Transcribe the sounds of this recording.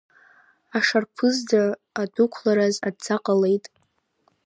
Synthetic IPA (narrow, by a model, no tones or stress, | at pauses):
aʂarpʰɨzdaː | dukʷʰlaɾazadd͡zaqʼale̞jtʼ